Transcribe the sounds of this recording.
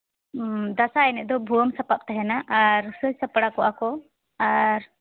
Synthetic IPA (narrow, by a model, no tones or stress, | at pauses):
d̪asaɛnɛʔ̚d̪ɔbʱuwəmsəpap̚t̪aɦɛnaʔaɾsəsəpɽakɔʔakɔ | aɾ